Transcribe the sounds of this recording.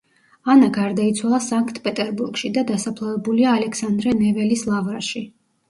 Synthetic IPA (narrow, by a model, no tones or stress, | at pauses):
anaɡaɾd̪ait̪sʰwalˠasaŋkʰt̪ʰpʼɛt̪ʼɛɾbuɾɡʃid̪ad̪asapʰlˠavɛbuliaːlɛksand̪ɾɛnɛvɛlislˠavɾaʃi